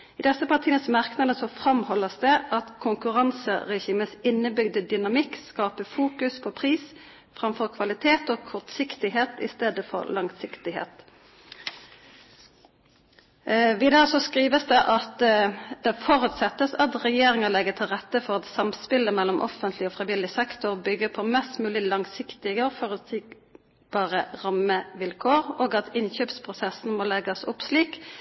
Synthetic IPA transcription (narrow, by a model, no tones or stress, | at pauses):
ɪd̪ɛsəpʰɑʁt̪ʰiːəsmɑʁknɑd̪əsɔfʁɑmhɔlːəsd̪ɛʔɑt̪kʰʊŋkʉʁɑnsə̰ʁɛçiːməsɪnːəbʏɡd̪əd̪ʏnɑmɪkskɑːpəfuːkʉspʰɔpʰʁiːs | fʁɑmfɔʁkʰʋɑlɪt̪ʰeːt̪okʰɔʁt̪sɪkt̪ɪɦeːt̪ɪ̰st̪eːd̪əfɔ̰ɾlʔɑŋsɪkt̪ɪhḛːt̪ | ʋɪːd̪ɑːsɔskʁiːʋəsd̪ɛʔɑt̪d̪̥ɛfɔʁʉt̪sɛt̪ːəsɑt̪ʁɛjeːɾɪŋəlɛɡət̪ʰɪlʁɛt̪ːəfɔʁɑt̪sɑmspɪləmɛlːɔmʔɔ̰fənt̪ʰlɪɔːfʁɪʋɪlːɪsɛkt̪ʊʁbʏɡːəpʰɔmɛst̪mʉːlɪlɑŋsɪkt̪ɪɡəɔfɔʁʉsiːɡ | b̥ɑːʁəʁɑməʋɪlkʰoːʁoːɡɑt̪ɪnçøːpspʰʁʊsɛsn̩moːlɛɡɑsʊpsliːk